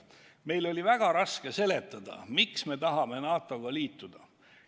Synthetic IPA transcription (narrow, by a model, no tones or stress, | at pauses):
me̞jlo̞lʲivæɡ̥ɑɾɑske̞se̞le̞t̪ˑːɑd̪̥ɑ̰miksme̞t̪ɑɦɑme̞nɑːt̪ːˑo̞ɡ̥ɑliːt̪ˑːud̪̥ɑ